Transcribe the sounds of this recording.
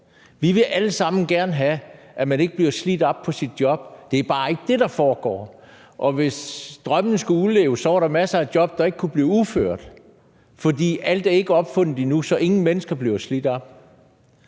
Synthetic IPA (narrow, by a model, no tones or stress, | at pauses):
ʋiʋe̝ʔæləsɑ̈m̰n̩ɡ̥æɐnəɦæ | ʔæmæne̝ɡ̥əb̥liɐslid̥ɒ̽b̥pʰɒ̽sid̥̚jɒ̽b̥̚d̥e̝æɐb̥ɑ̈ːe̝ɡ̥əd̥e̝d̥ɑ̈fɒːɡ̥ɒ̰ː | ʔɒ̽ʋe̝sd̥ʁɶmnəsɡ̥æulḛːʊsːɒɐɾɑ̈mæsæd̥jɒ̽b̥̚d̥ɑ̈e̝ɡ̥əkʰub̥liːuføɐ̰d̥ | fɒ̽d̥ḭːæl̰d̥æɐe̝ɡ̥əɒ̽b̥fɔ̽n̰ð̥̩ˠinusɒ̽ʔe̝ŋn̩menəsɡ̥ɐb̥liɐslid̥ɒ̽b̥